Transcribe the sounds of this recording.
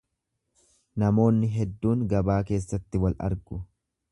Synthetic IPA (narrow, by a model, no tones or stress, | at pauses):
nɐmo̞ːnːɪɦɛd̪ːuːŋɡɐbaːke̞ːsːɐt̪ːɪwɐlʔɐ̰ɾɡʊ